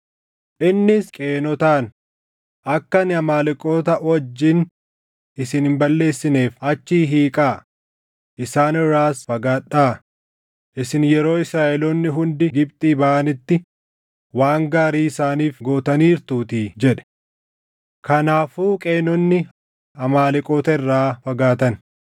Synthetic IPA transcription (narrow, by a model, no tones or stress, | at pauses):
ʔɪnːɪskʼe̞ːnɔt̪aːn | ʔɐkːɐnɪɐmaːlɪkʼo̞ːt̪ɐwɔd͡ʒːɪn | ɪsɪnhɪmbɐlːe̞ːsːɪne̞ːfɐt͡ʃːiːɦiːkʼaː | ʔɪsaːnɪrːaːsfɐɡaːᶑːaː | ʔɪsɪnjɛɾo̞ːɪsɾaːʔɛlɔnːɪɦʊnd̪ɪɡɪbt̪ʼiːbɐʔɐnɪt̪ːɪ | waːŋɡaːɾiːɪsaːniːfɡo̞ːt̪ɐniːɾt̪uːt̪iːd͡ʒɛᶑɛ̥ | kɐnaːfuːkʼeːnɔnːɪ | ɐmaːlɪkʼoːt̪ɐɪrːaːfɐɡaːt̪ɐn